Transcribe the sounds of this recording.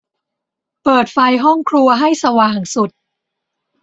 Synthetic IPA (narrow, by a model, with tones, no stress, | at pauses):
pɤː˨˩t̪̚fa˧jɦɔ˥˩ŋkʰɾu˧ɐɦa˥˩jsa˧waː˨˩ŋsu˨˩t̪̚